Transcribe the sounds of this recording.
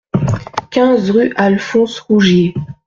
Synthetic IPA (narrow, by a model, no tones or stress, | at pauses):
kʲɛ̃zʁyʔalfɔ̃sʁuʒje